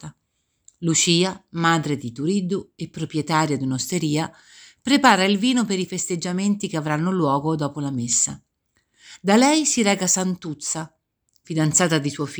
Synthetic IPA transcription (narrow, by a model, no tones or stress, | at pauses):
t̪a | lut͡ʃiːamaːd̪ɾed̪it̪uɾid̪uepːɾopɾjet̪aːɾjad̪unost̪eɾiːa | pɾepaːɾailviːnopeɾifest̪ed͡ʒːament̪ikeavɾanːolwɔːɡod̪ɔːpolamesːa̰ | d̪alɛjsiɾɛːkasant̪ut̪sːa | fid̪ant̪saːt̪ad̪isuɔfi